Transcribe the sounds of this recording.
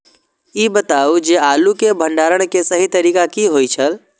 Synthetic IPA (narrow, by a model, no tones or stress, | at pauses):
iːbət̪aːud͡ʒeaːlukebʱə̃ɳɖaːɾəɽ̃kesɐɦit̪ɐɾiːkakiɦoːit͡ʃʰəl